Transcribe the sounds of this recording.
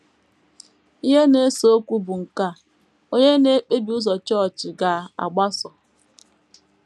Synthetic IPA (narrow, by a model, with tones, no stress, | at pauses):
i˦ɦe˦ne˦so˦kʷu˦bʊ˨ŋ̩˨ka˦˨ | o˦ɲe˦ne˦k͡pe˦bi˨u˦zɔ˨t͡ʃɔ˦˨t͡ʃɪ˨ɡa˨a̰˨ɡ͡ba˦sɔ˨